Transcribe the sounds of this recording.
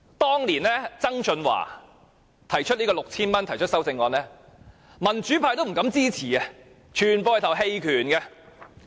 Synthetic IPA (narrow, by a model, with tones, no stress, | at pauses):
t̪ɔː˥ŋliː˨˩nlɛː˥t͡sɐ˥ŋt͡sɵ˧nwa̰ː˨˩ | t̪ʰɐ˨˩jt͡ʃʰɵ˥t̚liː˥kɔː˧lʊ˨k̚t͡sʰiː˥nmɐ˥nt̪ʰɐ˨˩jt͡ʃʰɵ˥tsɐ˥wt͡sɪ˧ŋːɔː˧nɛː˥ | mɐ˨˩nt͡syː˨˥pʰaː˧jt̪o˥wm̩˨˩kɐ˨˥mt͡siː˥t͡sʰiː˨˩ɛ˧ | t͡ʃʰyː˨˩npɔː˧˨t̪ʰwɦe˧jkʰyː˨˩nɡɛ˧